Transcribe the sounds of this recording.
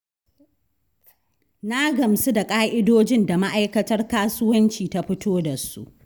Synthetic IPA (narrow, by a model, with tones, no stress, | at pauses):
na˦ɡɐ˨msu˦da˨kʼaː˦ʔɪ˦doː˦d͡ʒɪ˦nda˨ma˦ʔa˦jkɐ˦tɐ˦rkaː˦sʊ˦wɐ˦nt͡ʃiː˨ta˦ɸɪ˦tʰoː˦da˨sṵ˦ʔ